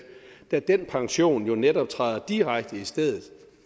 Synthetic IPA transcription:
d̥æd̥enpʰɑ̈ŋɕo̝̰ːnjo̝neɾɒ̽b̥̚t͡sʰʁa̰ðˠɐd̥iʁaɡ̥̚d̥əisd̥eð̰ˠð̞̩ˠ

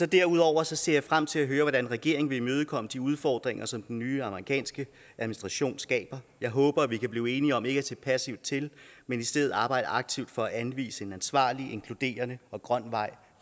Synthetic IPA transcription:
sɒ̽d̥æɐuð̞ˠɒʊ̰ɐsɒ̽se̝ɐ̰jɑ̈ɪfʁam̰t͡sʰe̝læɦøːɐʋɒɾænʁɛɡ̥e̝ɐeŋʋe̝imøːð̞ˠəkʰɒ̽məd̥iuð̞ˠfɒːd̥ʁeŋɐsɒ̽md̥enːyːɑ̈məʁikʰɛ̰ːnsɡ̥ə | ʔæðˠinisd̥ʁɑ̈ɕo̝̰ːnsɡ̥ɛ̰ːb̥ɐjɑ̈ɪɦɔ̽ːb̥ɐæʋikʰæb̥liːe̝ːniɒ̽me̝ɡ̥æt͡sʰe̝pʰæsiʊ̰̥t͡sʰe̝lmenisd̥eðð̩ˠɑ̈ːb̥ɑ̈ɪd̥əɑ̈ɡ̥̚t͡sʰiʊd̥fɒ̽æʔænʋḭːsəe̝nænsʋɑ̰̈ːliʔe̝ŋkʰlud̥e̝̰ːɐnəɒ̽ɡ̥ʁɶn̰ʋɑ̈ɪ̰

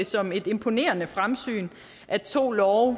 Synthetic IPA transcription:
sɒ̽me̝d̥e̝mpʰo̝ne̝̰ːɐnəfʁamsy̰ːn | ʔæt͡sʰo̝̰ːlɒʊ

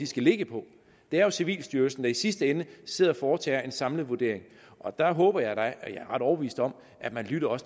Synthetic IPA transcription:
isɡ̥æle̝ɡ̥əpʰɒ̽ | d̥e̝æɐjo̝siʋḭːlsd̥yːɐlsn̩d̥ɑ̈isisd̥əenəse̝ð̞̰ˠɒfɒːt͡sʰɛ̰ːe̝nsɑ̈mləð̩ˠʋuɐd̥e̝ɐeŋ | ʔɒ̽d̥ɑ̈ɦɔ̽ːb̥ɐjɑ̈ɪdɑɪjɑ̈æɐʁɑ̈ɾ̥ɒʊb̥əʋḭːsd̥ɒ̽m | ʔæd̥mænlyɾ̥ɐɒ̽sə

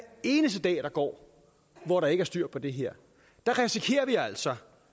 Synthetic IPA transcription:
e̝ːnəsd̥əd̥ɛ̰ːd̥ɑ̈ɡ̥ɒ̰ː | ʋɒɾɑ̈e̝ɡəæɐsd̥yɐ̰pʰɒ̽d̥e̝ɦeɐ̰ | d̥ɑ̈ʁɛsikʰe̝̰ːɐʋiæl̰sɒ̽

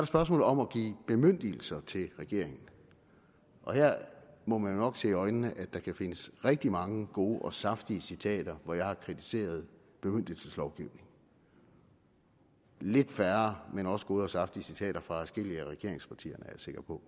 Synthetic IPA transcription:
sɑɾɑ̈sb̥ɶɐs̬mɔ̰ːl̩ð̩ˠɒ̽mɒɡ̥ḭːb̥e̝møn̰d̥il̩sɐt͡sʰe̝lʁɛɡ̥e̝ɐ̰e̝ŋn̩ | ʔɒ̽heɐ̰mɒ̽mænnɒ̽ɡ̥se̝̰ːɒ̽ɪnənəʔæd̥ɑ̈kʰæfe̝nəsʁɛɡ̥̚d̥imɑ̈ŋəɡ̥o̝ːʔɒ̽sɑ̈fd̥iəsit͡sʰɛ̰ːd̥ɐʋɒjɑ̈ɪhɑ̈kʰʁit͡sʰi̥se̝̰ːɐð̞ˠ | b̥e̝møn̰d̥il̩səslɒʊɡ̥iʊ̰ne̝ŋ | le̝d̥fæɐɐmenɒ̽sə̥ɡ̥o̝ːð̞ˠɒ̽sɑ̈fd̥iəsit͡sʰɛ̰ːɾ̥ɐfʁɑ̈æsɡ̥e̝l̰iæʁɛɡ̥e̝ɐeŋspʰɑ̈t͡sʰḭːɐnəæɐjɑse̝ɡ̥ɐpʰɒ̽

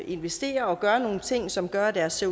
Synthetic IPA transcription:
e̝nʋesd̥e̝̰ːɐɒ̽ɡ̥ɶɐno̝ːn̩t͡sʰe̝ŋ̰sɒ̽mɡ̥ɶɐd̥æɐsːe

